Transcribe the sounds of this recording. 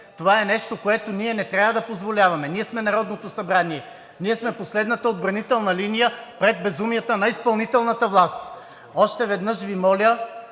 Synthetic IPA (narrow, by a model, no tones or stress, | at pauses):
t̪ovaɛnɛʃt̪okoɛt̪oniɛnɛt̪ɾʲjavəd̪ɐpozvolʲavɐmɛniɛsmɛnɐɾɔd̪not̪osɐbɾaniɛ | niɛsmɛposlɛd̪nət̪əod̪̚bɾɐnit̪ɛlˠnɐlinijəpɾɛd̪̚bɛzumijət̪ənɐispɐlˠnit̪ɛlˠnət̪əvlˠast̪ | ɔʃt̪ɛvɛd̪nɤʃvimɔlʲə